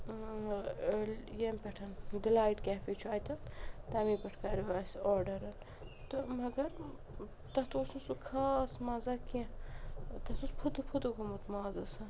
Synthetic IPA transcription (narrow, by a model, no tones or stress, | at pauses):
ljempʲeʈʰɐnɖilaːjʈkʲaːfit͡ʃʰaːjt̪ɐt̪ɐmiːpɐʈʰkɐɾiʋaːsʲoːɾɖɐɾɐn | t̪ɨmɐɡɐɾ | t̪ɐt̪uːsnusukʰaːsmɐzɐkiɐ̃ | t̪ɐt̪uspʰut̪ɨpʰud̪ukumut̪maːzɐsɐn